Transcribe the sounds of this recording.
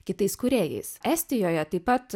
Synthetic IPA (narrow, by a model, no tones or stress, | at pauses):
kʲɪt̪ɐɪskʊɾʲeːjɛ̰ɪsʔɛsʲt̪ʲɪjoːjɛt̪ɐɪpːɐt̪